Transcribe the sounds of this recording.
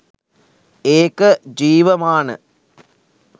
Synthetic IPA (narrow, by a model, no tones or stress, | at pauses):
eːkɐd͡ʒiːʋɐmaːɳɨ̰